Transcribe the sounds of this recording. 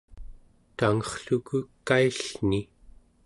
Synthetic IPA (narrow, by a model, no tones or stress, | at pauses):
t̪aŋʌχɬukukːaiɬni